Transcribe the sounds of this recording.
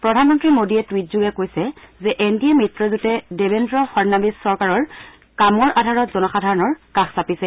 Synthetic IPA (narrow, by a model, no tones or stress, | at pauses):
pɹɔdʱanmɔntɹimodiɛtwit̚zuɡɛkojsɛzɛʔentiɛmɹitɹɔzutɛdebendɹɔxɔɹnabisːɔɹkaɹɔɹ | kamɔɹʔadʱaɹɔtzɔnɔxadʱaɹɔnɔɹkaxsapisɛ